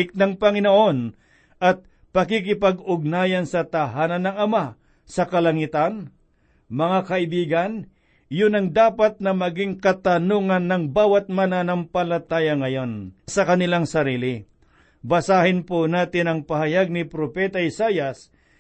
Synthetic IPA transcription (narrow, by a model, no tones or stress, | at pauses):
ɪk̚nɐŋpɐŋɪnoʔo̞n | ʔɐt̪̚ | pɐkikɪpɐɡʊɡ̚naːjɐnsɐt̪ɐɦaːnɐnːɐŋɐma | sɐkɐlɐŋit̪an | mɐŋakɐʔɪbiːɡɐn | jʊnɐŋd̪aːpɐt̪̚nɐmɐɡɪŋkɐt̪ɐnoːŋɐnːɐŋbaːwɐt̪̚mɐnanɐmpɐlɐt̪aːjɐŋɐjo̞nsɐkɐnɪlaŋsɐɾiːlɪ | bɐsaːhɪnponaːt̪ɪnɐŋpɐɦɐjaɡ̚nɪpɾopɛt̪ɐʔɪsaːjɐs